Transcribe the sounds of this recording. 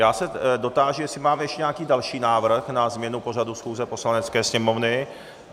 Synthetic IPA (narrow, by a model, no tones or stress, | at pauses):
jaːsɛdo̞t̪aːʒujɛsɪmaːmɛjɛʃcɛɲɛakiːdalʃiːnaːvr̩xnazmɲɛnupo̞r̝adusxuːzɛpo̞slanɛt͡skɛːsɲɛmo̞vnɪ